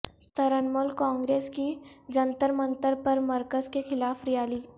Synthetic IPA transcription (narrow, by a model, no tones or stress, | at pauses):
t̪ɐɾənmolkãːŋɡɾeːskid͡ʒɐ̃nt̪əɾmə̃nt̪əɾpɐɾmɐɾkəzkexɪlaːfɾijaːliː